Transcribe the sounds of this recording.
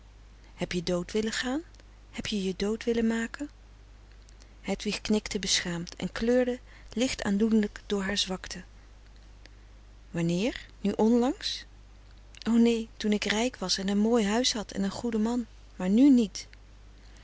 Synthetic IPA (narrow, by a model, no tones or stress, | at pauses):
hɛpjədowtʋɪləχaːn | hɛpjəjədowtʋɪlənmaːkən | ɦɛtʋiχknɪktəbəsχaːmtʰɛ̰nkløːɹdə | lɪχta̰ːndudələkdʊːɹɦaːɹzʋɑktʰə | ʋɑnɪːɹnyʔɔnlɑŋs | ʔownejtunɪkrɛjkʋɑsɛnənmoːjɦœɥsɦɑtʰɛ̰nənχudəmɑn | maːɹnynit